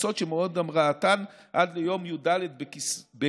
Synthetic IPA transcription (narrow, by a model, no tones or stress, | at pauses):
so̞t̪ʃemeo̞d̪amʁaːt̪an | ʔadlejo̞mjudaled̪bekibe